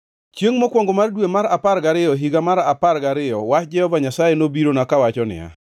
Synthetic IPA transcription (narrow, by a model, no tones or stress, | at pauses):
t͡ʃjeŋmokwɔŋɡomardwemaɾapaɾɡaɾɪjɔɦiɡamaɾaparɡaɾɪjɔwat͡ʃd͡ʒɛhɔvaɲasajenobiɾonakawat͡ʃɔnɪ̰ja̰